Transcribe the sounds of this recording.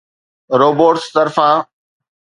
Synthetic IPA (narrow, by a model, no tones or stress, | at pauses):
ɾoːboːʈst̪əɾfãː